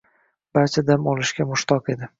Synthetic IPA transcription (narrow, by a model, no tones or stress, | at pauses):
b̥aɾt͡ʃʰad̪amɒlɪʃkʲamʊʃt̪ʰɒqe̞d̪ɪ